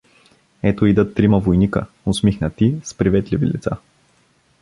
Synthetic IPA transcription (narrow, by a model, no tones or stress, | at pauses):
ɛt̪oid̪ət̪ːɾiməvojnikə̰ | ʊsmixnət̪ispɾivɛt̪livḭlit̪sa